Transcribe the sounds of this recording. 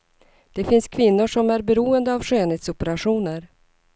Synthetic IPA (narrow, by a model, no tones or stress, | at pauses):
d̪̥ɛfɪnskʰvɪnːʊʂɔmæɾbɛɾuːənd̪əavɧøːneːt̪sɔpəɾaɧuːnəɾ